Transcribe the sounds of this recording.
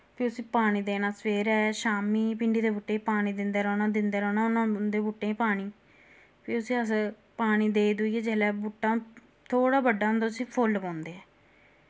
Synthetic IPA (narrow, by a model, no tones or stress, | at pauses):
pʰiːʊsĩːpaːɽ̃iːd̪eːnaːsʋeːɾɛːʃaːmiːpɪɳɖiːd̪eːbʊʈːeːipaːɽ̃iːd̪ɪnd̪eːɾɔ̃ːnãːd̪ɪnd̪eːɾɔːnaːʊnãːd̪eːbuʈːeːĩːpaːɽ̃iː | pʰiːʊsĩːəs | paːɽ̃iːd̪eːid̪ʊiːɛːd͡ʒeːlɛːbuʈːãː | t̪ʰoːɽaːbəɖːaːɦʊ̃nd̪aːʊsĩːpʰʊlpɔ̃ːnd̪eːɛː